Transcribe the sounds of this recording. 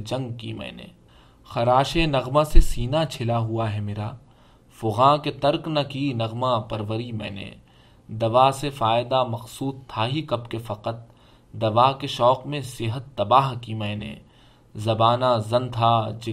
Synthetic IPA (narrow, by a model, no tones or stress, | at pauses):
d͡ʒɐ̃ŋɡkimɛ̰̃ːnḛ | xɐɾaːʃenɐɣmãsesiːnat͡ʃʰɪlaɦuaɦɛmeːɾaː | fʊɣãːket̪ɐɾknakinɐɣmãpɐɾʋəɾimɛ̰̃ːnḛ | d̪ɐʋaːsefaːɪd̪amɐxsuːd̪̚t̪ʰaːɦikɐbkefɐqət̪̚ | d̪ɐʋaːkeʃɔːqmẽsɪɦət̪ːɐbaːɦkimɛ̃ːnḛ | zɐbaːnazɐ̃nt̪ʰad͡ʒɪ